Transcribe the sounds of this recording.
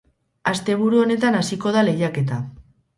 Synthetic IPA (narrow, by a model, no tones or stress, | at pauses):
ast̪e̞β̞uɾuo̞ne̞t̪anasiko̞ð̞ale̞jake̞t̪̬a